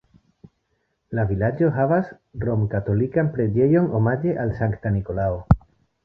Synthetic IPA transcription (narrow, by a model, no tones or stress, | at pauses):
lavilad͡ʒo̞ɦavas | ro̞mkat̪o̞likanpɾe̞d͡ʒe̞jo̞no̞mad͡ʒe̞ʔalsaŋkt̪aniko̞lao